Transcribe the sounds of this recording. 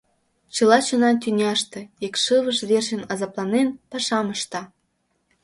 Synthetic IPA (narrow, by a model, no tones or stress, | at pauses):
t͡ɕə̆lɑt͡ɕɤ̆nɑnt̪̬ʲynʲɑʃt̪ĕekʃɨβəʃβerʃənɑzɑplˠɑnenpɑʃɑməʃt̪ɑ